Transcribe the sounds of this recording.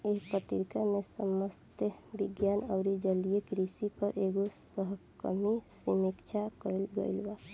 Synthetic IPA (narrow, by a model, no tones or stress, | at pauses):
eːpət̪iɾkamẽsəməst̪əbiɡjaːnəʊɾid͡ʒəlijekɾisipəɾʔeːɡosəɦkə̰misimikt͡ʃʰakəlɡə̰ilʋa